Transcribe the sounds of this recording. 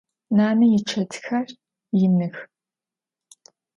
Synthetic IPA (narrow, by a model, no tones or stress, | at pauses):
naːnɐjɪʈ͡ʂʰɐtʰxɐr | jɪnɨx